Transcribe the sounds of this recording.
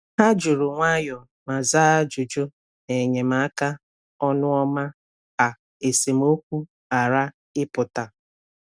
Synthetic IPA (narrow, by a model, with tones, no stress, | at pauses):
ha˦d͡ʒʊ˨ɾʊ˨ŋʷa˦jɔ˨ | ma˨zaː˦a˦d͡ʒʊ˨d͡ʒo˦ | ne˨ɲe˨m̩a˨a˦ka˦ | ɔ˦nʊ˦ɔ˦ma˦ | a˨ | e˨se˨m˦o˦kʷu˦ | a˨ɾa˦ | ɪ˦pʊ˨ta˨